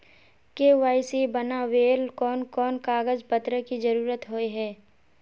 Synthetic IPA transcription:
keːʋaːɪsibənaʋeːlkɔːnkɔːnkaːɡəd͡ʒpət̪ɾəkid͡ʒɐɾuːɾət̪ɦoeɦɛː

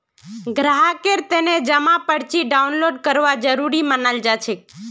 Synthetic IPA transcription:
ɡɾaɦakeɾt̪ened͡ʒəmãpəɽt͡ʃiɖaunloɖkəɾʋad͡ʒəɾuɾimənald͡ʒat͡ʃʰe

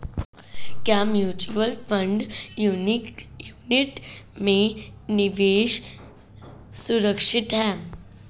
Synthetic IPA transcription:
kjamjuːt͡ɕuʋəlfʰəɳɖ | juniʈmẽniʋeːʃ | suɾəkʂɪt̪ɦɛː

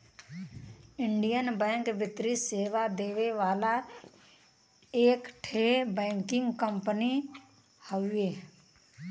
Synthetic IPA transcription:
ɪ̃ɳɖijənbɛ̃ːŋkʋɪt̪ɾiseːʋad̪eːʋeʋaːla | eːkʈʰeːbɛ̃ːŋkɪ̃ŋɡkə̃mpəni | həweː

